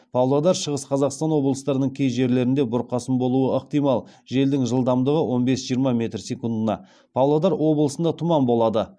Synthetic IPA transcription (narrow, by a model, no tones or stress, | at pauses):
pʰɑwlˠɑd̪ɑɾʃəʁəsqʰɑzɑqst̪ɑnwo̞blˠəst̪ɑɾənəɴkʲʰejʒe̞ɾle̞ɾɪnd̪e̞bʊɾqɑsəmbo̞lˠuəəqt̪ijmɑlˠʒe̞ld̪ɪŋʒəlˠd̪ɑmd̪əʁəwʔo̞nbe̞sʒijəɾmɑmʲe̞t̪ɾse̞kund̪ənɑ̰ | pʰɑwlˠɑd̪ɑɾwo̞blˠəsənd̪ɑt̪ʰʊmɑmbo̞lˠɑd̪ə